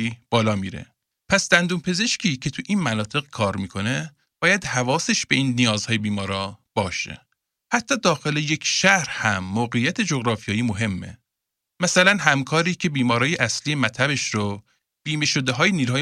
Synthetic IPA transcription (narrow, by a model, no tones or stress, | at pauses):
ib̥ɒːlɒːmiːɾḛ | pʰæsd̪̥ænd̪uːmpʰe̞ze̞ʃcʰiːcʰe̞t̪ʰuʔiːnmænɒːt̪ʰe̞ɣkʰɒːɾmiːkʰo̞ne̞ | b̥ɒːjæd̪hævɒːse̞ʃb̥e̞iːnːijɒːzhɒːjebiːmɒːɾɒːb̥ɒːʃḛ | hæt̪ʰːɒːd̪ɒːxe̞lejecʰʃæhɾhæmːoːɣejːæt̪ʰe̞d͡ʒoɣɾɒːfijɒːjimoɦe̞mːḛ | mæsælænɦæmkʰɒːɾiːcʰe̞biːmɒːɾɒːjeʔæsliːe̞mæt̪ʰæbe̞ʃɾo | b̥iːme̞ʃod̪e̞ɦɒːjeniːlɒːj